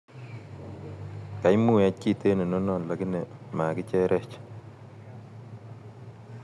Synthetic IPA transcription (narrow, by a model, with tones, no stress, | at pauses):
ka˨jmu˦˨a˦ki˦˨te˦ne˨no˦nɔ˨nla˨ɡi˦ne˨ma˨kɪ˦t͡ʃɛ˦ɾʔɛ˦t͡ʃ